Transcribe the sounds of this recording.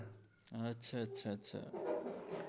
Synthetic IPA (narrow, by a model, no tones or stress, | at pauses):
ɦət͡ɕʰət͡ɕʰət͡ɕʰə̰